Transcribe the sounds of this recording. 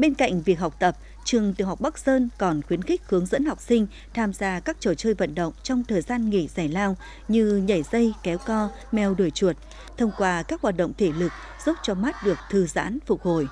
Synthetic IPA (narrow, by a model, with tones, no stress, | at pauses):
ɓe˧nka̰˧˨jŋ̟vi˨˩ək̚ha˨˩wk͡p̚t̪ə˨˩p̚ | t͡ɕɨ˨˩əŋt̪ḭ˨ŋha˨˩k͡p̚ɓa˦˥k̚zəː˧nkɔ˨˩nxwi˨˦ənxï˦˥k̟̚hɨ˨˦əŋzə̰˧˥nha˨˩wk͡p̚sï˧ŋ̟ | t̪ʰaː˧mzaː˧kaː˦˥k̚t͡ɕo˧˩t͡ɕəː˧jvə̰˧˨nɗə̰˧˨wŋ͡mt͡ɕɔ˧wŋ͡mt̪ʰəː˨˩jzaː˧nŋḭ˧˨z̥aː˧˩jlaː˧w | ɲɨ˧ɲə˧˩jzə˧jkɛ˨˦wkɔ˧ | mɛ˨˩wɗu˧˩jt͡ɕu˨˩ət̚ | t̪ʰə˧wŋ͡mkwaː˧kaː˦˥k̚hwaː˨˩t̚ɗə̰˧˨ŋ͡mt̪ʰe˧˩lɨ˨˩k̚ | z̥o˦˥t̚t͡ɕɔ˧ma˦˥t̚ɗɨ˨˩ək̚t̪ʰɨ˨˩za̰ː˧˥nfʊ˨˩k͡p̚ho˧˩j